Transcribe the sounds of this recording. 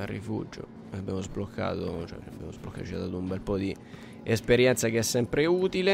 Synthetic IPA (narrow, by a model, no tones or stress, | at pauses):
arːḭfṵd͡ʒo̰ | abːjamozblokʰːa̰ːt̪ot͡ʃoɛ̰abːja̰mozblokːatot͡ʃiad̪aːt̪oumbɛlpɔd̪i | espeɾjɛnt̪sakeɛsːɛmpɾeuːt̪ile